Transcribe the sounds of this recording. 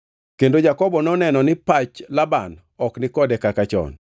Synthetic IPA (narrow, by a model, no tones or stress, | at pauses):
kendod͡ʒakɔbɔnɔnɛnɔnɪpat͡ʃlaban | ɔknɪkɔdɛkakat͡ʃɔ̰n